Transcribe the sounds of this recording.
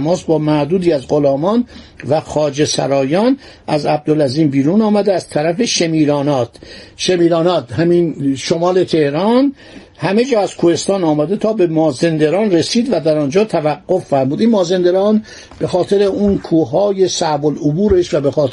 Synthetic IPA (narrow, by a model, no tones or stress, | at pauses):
mɒːsbɒːmæhd̪uːd̪iːæzɢo̞lɒːmɒnvæxɒːd͡ʒe̞sæ̰ɾɒːjɒːnʔæzæb̚d̪olæziːmbiːɾunɒːmæd̪eæz̥t̪ʰæɾæfe̞ʃemiːɾɒːnɒːt̪ʰʃemiːɾɒːnɒːt̪ɦæminʃo̞mɒːle̞t̪ʰe̞hɾɒn | hæme̞d͡ʒɒːæz̥kʰuhe̞st̪ɒːnɒːmæd̪et̪ʰɒːbe̞mɒːze̞nd̪eɾɒːnre̞siːd̪væd̪æɾɒːnd͡ʒɒːt̪ʰævæɡːo̞ffæɾmuːd̪inmɒːze̞nd̪eɾɒːn | b̥e̞xɒːt̪ʰe̞ɾe̞uːnkʰuːɦɒːje̞sæbolobuːɾe̞ʃvæbexɒːt̪ʰ